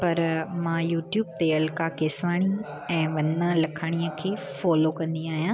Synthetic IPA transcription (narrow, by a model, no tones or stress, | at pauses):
pɐɾmãːjuːʈjuːb̚t̪eɐlkakeːsʋaːɽ̃i | ɛ̃ːʋɐnəlɐkʰaːɽ̃iəkʰeːfɔːlokɐ̃nd̪ĩaːɦijãː